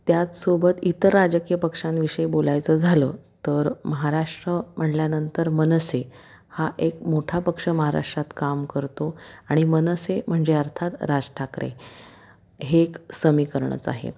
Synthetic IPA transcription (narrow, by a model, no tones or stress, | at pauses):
t̪jat͡s̪sobət̪it̪əɾːad͡ʑəkijəpəkʂãnʋiʂəjbolajt͡səd͡zʱaləːt̪əɾməɦaɾaʂʈɾəm̤əɳljanənt̪əɾmənəse | haʔekmoʈʰapəkʂəməɦaɾa̰ʂʈɾat̪kamkəɾt̪oaɽ̃imənəsem̤əɳd͡ʑeəɾt̪ʰat̪ɾad͡zʈʰakɾḛ | ɦeksəmiːkəɾɳə̰t͡sa̰ɦḛ